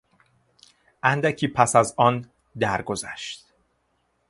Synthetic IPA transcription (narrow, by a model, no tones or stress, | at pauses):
ʔænd̪æcʰiːpʰæsæzɒn | d̪æɾɡozæ̰ʃt̪